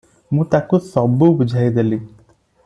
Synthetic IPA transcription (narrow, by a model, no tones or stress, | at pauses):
mũt̪akusɔbubud͡ʒʱajd̪eli